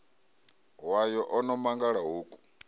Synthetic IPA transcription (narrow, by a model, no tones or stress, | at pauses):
wajɔʔɔnɔmaŋɡaɺaɦuːkʼu̥